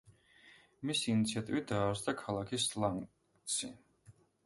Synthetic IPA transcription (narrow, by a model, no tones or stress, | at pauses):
misiːnit̪sʰiat̪ʼivit̪̚d̪aːɾsd̪akʰalˠakʰislˠaŋ | sʰḭ